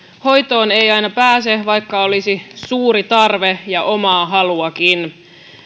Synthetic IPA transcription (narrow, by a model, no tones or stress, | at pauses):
ho̞jt̪o̞ːne̞jɑjnɑpæːseʋɑjkːɑo̞lisisuːɾit̪ɑrʋejɑʔo̞mɑːɦɑluɑkin